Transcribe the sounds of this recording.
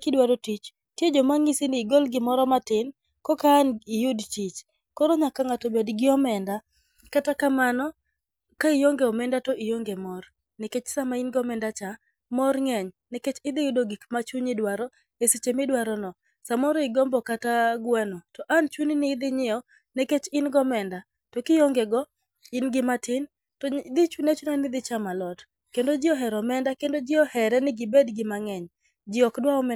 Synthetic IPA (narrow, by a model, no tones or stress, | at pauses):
kɪdwaɾɔtit͡ʃ | tjed͡ʒɔmaŋɪsɪnɪːɡɔlɡɪmɔɾɔmatɪn | kɔkaːnɪjudtit͡ʃ | kɔɾɔɲakaŋatobedɡɪɔmɛnda | katakamanɔ | kaɪjoŋɡeɔmɛndatɔijoŋɡemɔr | nɛket͡ʃsamainɡɔmɛndat͡ʃa | mɔrŋɛɲnɛket͡ʃɪd̪ɪjʊdoɡikmat͡ʃuɲɪdwaɾɔ | eset͡ʃemɪdwaɾɔnɔ | samɔɾɔɪɡɔmbɔkataɡwɛnɔtɔʔant͡ʃuninɪd̪ɪɲɪɔ | neket͡ʃɪnɡɔmɛnda | tɔkɪjɔŋɡɛɡɔ | ɪnɡɪmatɪn | tɔd̪ɪt͡ʃunet͡ʃunanɪd̪ɪt͡ʃamalɔt | kendod͡ʒɪɔɦɛɾɔmɛndakendod͡ʒɪɔhɛɾɛnɪɡɪbedɡɪmaŋɛɲ | d͡ʒɪɔkdwaɔmɛ